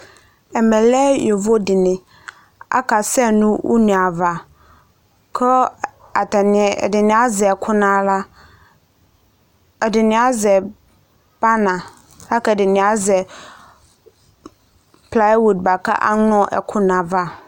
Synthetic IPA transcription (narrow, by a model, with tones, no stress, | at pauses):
ɛ˨mɛ̃˨lɛ˦jɔ˨vo˦dɪ˨nɪ̃˨ | a̰˦kʰa˨sɛ˦nʊ̃˦wʔʊ̰˦nĩ˨a˨va˨ | kʰɔ˦ | a˨tɛ˨nɪ̃˨ɛ̰˨dɪ˨nɪ̃˨a˦zɛ˨ɛ˨kʰʊ˦nã˨˦la˦ | ɛ˨dɪ˨nɪ̃˨a˦zɛ˨ | b̥a˦nã˨ | a˦kɛ˨dɪ˨nɪ̃˨a˨˦zɛ˨ | pʰla˦wu˨d̚ba˨kʰa̰˦ʔa̰˦n˦ɔ̃˦˨ʔɛ̰˨kʰʊ˦nã˨va˦